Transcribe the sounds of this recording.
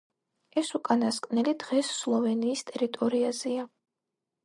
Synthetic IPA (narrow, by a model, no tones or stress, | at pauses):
ɛsukʼanaskʼnɛlid̪ʁɛsːlˠɔvɛniːst̪ʼɛɾit̪ʼɔɾiazɛa